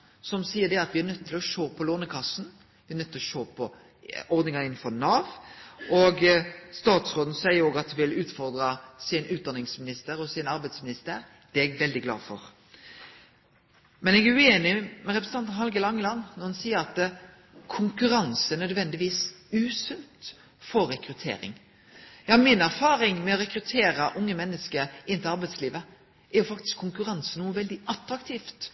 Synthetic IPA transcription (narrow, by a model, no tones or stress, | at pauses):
sɔmsiːədɛɑt̪ʋɪænœt̪ʰːɪlɔʃoːpʰɔloːnəkʰɑsn̩ | ʋɪæɾnœt̪ːɪlɔʃoːpʰɔ | ɔʁd̪nɪŋɑɪnn̩fɔnɑːʋʔɔɡst̪ɑːt̪sʁoːd̪n̩sæɪəɾoːɡɑt̪hʋɪlʉːt̪fɔɾd̪ɾɑsɪnʉːd̪ɑnɪŋsmɪnɪst̪əɾɔsɪnɑɾbɛɪd̪smɪnɪst̪əɾ | d̪̥ɛɛɡʋɛld̪ɪɡlɑ̰ːfɔɾ | mɛnɛːɡæʉeːnɪmɛɾɛpɾsn̩ɑnɑnɦɑlɡəlɑŋːəlɑnːnɔʁhɑnsiːəɾɑt̪ | kʰʊŋkʉɾɑnsəɛnœd̪ʋɛnd̪ɪʋiːsʉːsʉnt̪ | fɔɾːɛkɾʉt̪ʰḛːɾɪ̰ŋ | jɑhɑmɪnæɾfɑːɾɪŋmɛɔɾɛkɾʉt̪ʰeːɾəʔʊŋːəmɛnːəskəɾɪnt̪ɪlɑɾbɛɪsliːʋə | ɛɾjʊfɑkt̪ɪ̥skʰːʊŋkʉʁɑnsənuːəʋɛld̪ɪɑt̪ɾɑkt̪ʰiːft̪